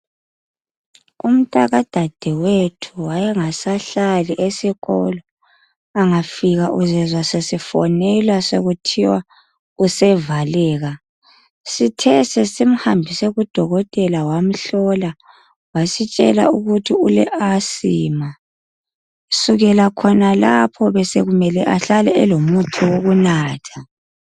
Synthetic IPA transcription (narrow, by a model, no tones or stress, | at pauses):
um̩tʼa̰ɣad̥ʱad̥ʱɛwetʰuwajɛŋasaɬaliʔesiɣɔ̰lɔ | aŋafiɣaʔuzɛzwasesifɔnɛlwasoɣutʰiwa | usɛvalɛːɣa | sitʰɛsɛsim̩hambʱisɛɣud̥ʱɔɣɔtʼɛlawam̩ɬɔla | wasit͡ʃʼɛ̰la̰uɣutʰiulɛ̰ʔasiːma | suɣɛlakʰɔnalapʰɔβɛseɣumɛlɛʔaɬalɛɛlomutʰiwoɣunaːtʰḁ